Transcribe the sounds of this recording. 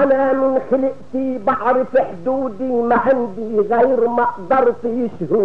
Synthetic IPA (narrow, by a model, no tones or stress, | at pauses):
ʔanaːmɪnxɪlɪʔt̪ibɑħɾˤfɪħd̪uːd̪imaʕand̪iːɣajɾmɑʔd̪ˤɑɾˤt̪jɪʃhuː